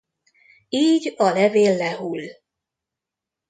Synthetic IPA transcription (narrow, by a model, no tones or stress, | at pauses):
iːɟɒlɛveːlːɛɦul